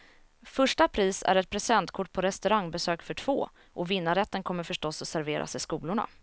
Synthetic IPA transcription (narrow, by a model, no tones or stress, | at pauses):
fɵʂʈapʰɾiːsæ̰ɾɛt̪̚pʰɾɛsɛnt̪kʰʊʈ̚ːpʰɔɾɛst̪ɵɾaŋbɛsøːkfœʈʰv̥o̰ː | ʔɔvɪnːaɾɛt̪ːənkʰɔmːəɾfœʂʈɔsːɔsæɾveːɾʔa̰sɪskuːlʊɳa̰